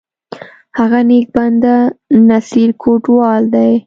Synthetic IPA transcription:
haɣanek̚band̪anasiɾkʰoʈwɑld̪aj

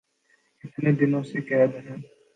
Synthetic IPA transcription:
ɪt̪ned̪ɪnõsekɛːd̪ɦɛ̃ː

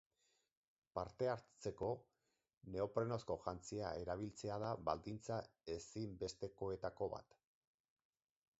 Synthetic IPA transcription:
paɾt̪e̞aɾt͡se̞ko̞ | ne̞o̞pɾe̞no̞sko̞ʝant͡siae̞ɾaβ̞ilt͡se̞aðaβald̪int͡sa | e̞simbe̞st̪e̞ko̞e̞t̪ako̞βa̰t̪

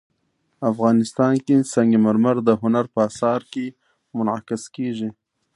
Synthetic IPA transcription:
afɣɑnɪst̪ɑnkesaŋɡimaɾmaɾd̪əɦʊnaɾpəɑsɑɾke | mʊnʕa̰kɪskeʒi

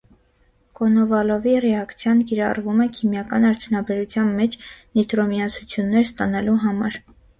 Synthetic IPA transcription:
kɔnɔvɑlɔvirɛɑkt͡sʰjɑnkiɾɑrvumɛkʰimjɑkɑnɑɾt͡sʰjunɑbɛɾut͡sʰjɑnmɛt͡ʃʰnit̪ɾɔmiɑt͡sʰut͡sʰjunːɛɾst̪ɑnɑluɦɑmɑɾ

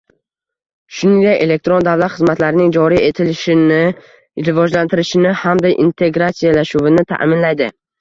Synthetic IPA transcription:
ʃʊnɪŋɡ̪ʲaʔe̞le̞k̚t̪ɾo̞nd̪avlat̪χɨzmat̪laɾɪnɪŋd͡ʒɒɾiet̪ʰɪlɪʃɪɪ | ɾɪvɒd͡ʒlant̪ʰɪɾɪʃɪnɪhamd̪ajʔḭnt̪ʰe̞ɡɾat̪sijalaʃuvɪnɪt̪ʰa̰ʔmɪnlajd̪ɪ

